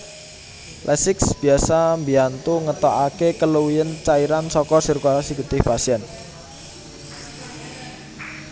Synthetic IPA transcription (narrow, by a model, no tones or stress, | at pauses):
lʔɛsɪksb̥i̤asambiant̪uŋət̪ɔakekəluwiənt͡ʃaiɾansɔkɔsirkasiɡut̪ɪhpasiɛn